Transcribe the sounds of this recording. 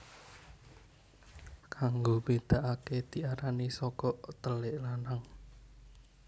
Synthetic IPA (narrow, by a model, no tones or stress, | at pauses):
kʰaŋɡowbed̪̥a̤ʔaked̪̥i̤ʔaɾanisɔkɔʔt̪əlɪʔlanaŋ